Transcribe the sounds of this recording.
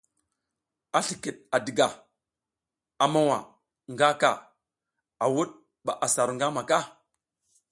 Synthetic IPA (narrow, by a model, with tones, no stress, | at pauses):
a˦ɬi˨ki˨ɗ̚a˨di˨ɡa˨ | a˨ma˦wa̰˨ | ŋɡa˦ka˦˨ | a˨wu˦ɗ̚ | ɓa˨ʔa˨sa˨ɾŋɡa˦ma˨ka˦